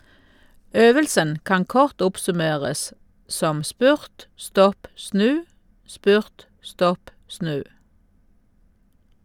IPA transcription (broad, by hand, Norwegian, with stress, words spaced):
ˈøːʋəlsən ˈkɑŋ ˈkɔʁt ˈʊpsʉˌmeːʁəs ˈsɔm ˈspʉʁt ˈstɔp ˈsnʉː ˈspʉʁt ˈstɔp ˈsnʉː